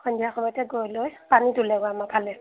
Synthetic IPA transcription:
kʰɔndiakʰɔbɔtɛɡojlojpanidulɛɡɔamapʰalɛ

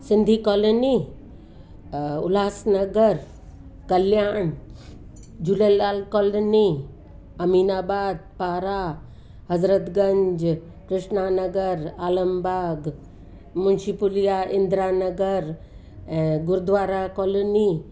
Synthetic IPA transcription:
sɪ̃nd̪ʱikɔːloni | ʊ̰laːsnəɡəɾ | kɐljaːɳ | d͡ʒulelaːlkoːloni | ɐmiːnaːbaːd̪̚paːɾa | ɦɐzɾət̪ɡɐɲd͡ʒ | kɾɪʂnaːnəɡəɾaːləmbʱaːɡ | munʃipulijaʔɪnd̪ɾaːnəɡəɾ | ɛ̃ɡʊɾd̪ʋaːɾakɔːloni

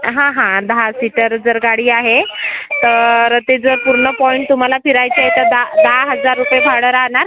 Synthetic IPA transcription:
ɦãɦãd̪əɦasiʈəɾd͡zəɾɡaɽiːaɦet̪əɾt̪ed͡zəɾpuɾɳəpɔiɳʈ̚t̪um̤alafiɾajt͡ɕeɦet̪əd̪ad̪ɦaɦəd͡zaɾːupjebʱaɽəɾaɳaɾ

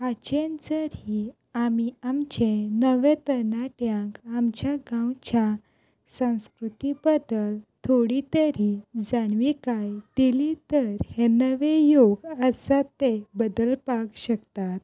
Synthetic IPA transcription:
at͡ɕend͡zəɾi | amiamt͡ɕenəʋet̪ənaʈjãkamt͡ɕjaɡãwt͡ɕja | sə̃w̃skɾut̪ibəd̪əlt̪ʰoɽit̪əɾid͡zaɳʋikajd̪ilit̪əɾhenəʋejoɡəsat̪ebəd̪əlpakɕəkt̪at̪̚

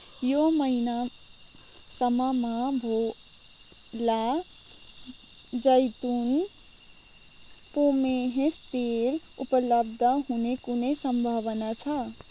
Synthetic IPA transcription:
joməina | səmamabʱo | la | d͡ʒəjt̪un | pomeɦẽst̪el | upələbd̪ʱəɦunekunesəmbʱəʋənat͡ʃʰə

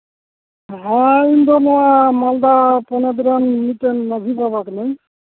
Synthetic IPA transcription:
ɦaind̪ɔnamald̪apɔnad̪ɾanmitenmazʱibabaknaj

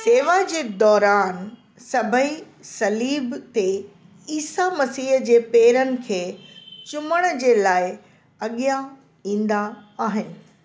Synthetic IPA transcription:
seːʋad͡ʑeːd̪ɔːɾaːn | sɐbʱəi | sɐliːbt̪e | iːsamɐsiːɦd͡ʑeːpeːɾənɪ̆kʰeːt͡ɕʊməɽ̃əd͡ʑeːlaːɪ | ɐɠija | ĩːn̆d̪aaːɦɪnɪ̆

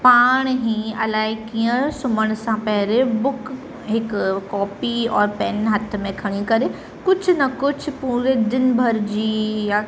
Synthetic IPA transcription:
paːɽ̃ɦĩɐlaːɪkiə̃sʊməɽ̃sãpɛɦɾebʊkʰ | ɦɪkːɔːpiɔːɾpɛnɦɐt̪ʰmẽkʰɐɽ̃ikɐɾe | kʊt͡ʃʰnɐkʊt͡ʃʰpuːɾed̪ɪnbʱɐɾd͡ʒiːja

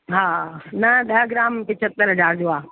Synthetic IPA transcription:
ɦaːnɐɗɐɦɡɪɾaːmpɪ̃t͡ɕʰət̪ːəɾɦɐd͡ʑaːɾd͡ʑoaː

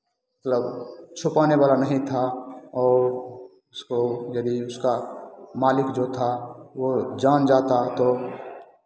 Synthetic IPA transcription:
mət̪ləbt͡ʃʰʊpaːneʋaːlanəɦĩt̪ʰaɔːɾ | ʊskojəd̪iʊskamaːlɪkd͡ʒot̪ʰaʋod͡ʒaːnd͡ʒaːt̪at̪o

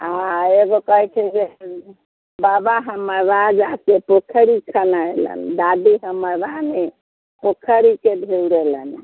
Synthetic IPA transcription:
aeɡokəɦɛt͡ʃʰɛd͡ʒe | babaɦəməɾʋad͡ʒakepokʰəɾikʰənaelə̰nd̪ad̪iɦəməɾbane | pokʰəɾikebʱewɾelən

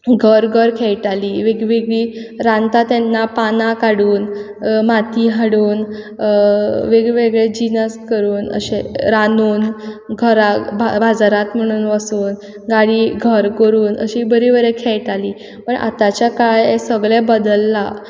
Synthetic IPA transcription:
ɡʱəɾɡʱəɾkʰɛɭʈaliːʋeɡʋeɡɭiːɾãnt̪at̪ɛnːapanakaɽuːn | mat̪iɦaɽuːn | ʋeɡɭʋeɡɭed͡ʑinəskəɾuːnə̰ɕeɾanuːnɡʱəɾabʱabʱad͡zaɾat̪m̤əɽ̃uːnʋəsuːn | ɡaɽiːɡʱəɾkəɾuːnə̰ɕibəɾibəɾekʰɛɭʈaliː | pəɳʔa̰t̪at͡ɕjakajesəɡɭẽbəd̪əlːa

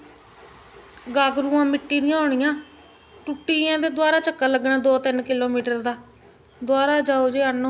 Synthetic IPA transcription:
ɡaːɡɾũːãːmɪʈːiːd̪ɪjãːoːɽ̃ɪjãː | ʈuʈːiːjãːd̪eːd̪waːɾaːt͡ʃəkːaːləɡnaːd̪oːt̪ɪnkɪloːmiːʈəɾd̪aː | d̪owaːɾaːd͡ʒaːoːd͡ʒeːan

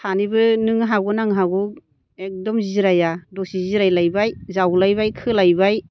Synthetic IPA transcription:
tʰanibɯnɯŋɦaɡɔnaŋɦaɡɔ | ek̚dɔmziɾajadɔsiziɾajlajbajzawlajbajkʰɯlajbaj

